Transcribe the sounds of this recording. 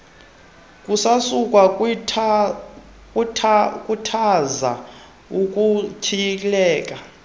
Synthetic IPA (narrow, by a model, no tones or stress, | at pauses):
kʼusasukʼwa | kʼʰkʼutʰaza̰ | ukʼut͡ʃʰijikʼilɛːkʼa